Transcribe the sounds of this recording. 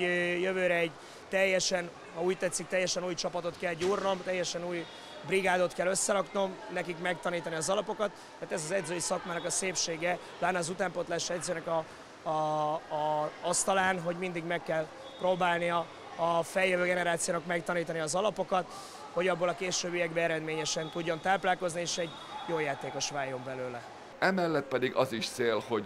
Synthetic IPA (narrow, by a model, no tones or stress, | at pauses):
jøvøːɾɛɛɟ | t̪ɛjːɛʃɛn | hɒuːct̪ɛt̪sːik̚t̪ɛjːɛʃɛnuːjt͡ʃɒpɒt̪o̞t̪kɛlɟuːrno̞mt̪ɛjːɛʃɛnuːj | briɡaːd̪o̞t̪kɛlːø̞sːɛɾɒkno̞mnɛkikmɛk̚t̪ɒniːt̪ɒniɒzɒlɒpo̞kɒt̪ːɛaːt̪ɛzɒzɛd̪zøːjisɒkmaːnɒkɒseːpʃeːɡɛ | b̥aːnːɛːzut̪aːmpot̪laːʃɛd̪zøːnɛkɒ | ɒst̪ɒlaːnɦo̞ɟmind̪iɡmɛkːɛl | proːbaːlniɒː | fɛljøvøːɡɛnɛɾaːt̪sijoːnɒkmɛkt̪ɒniːt̪ɒniɒzɒlɒpo̞kɒt̪ | ho̞ɟɒbːolɒkeːʃøːbyjɛɡbɛɛɾɛd̪meːɲɛʃɛnt̪uɟːo̞nt̪aːplaːlko̞znieːʃɛɟ | joːjaːt̪eːko̞ʃʋaːjːo̞mbɛløːlɛ | ɛmɛlːɛt̪̚pɛd̪iɡɒziʃseːlho̞ɟ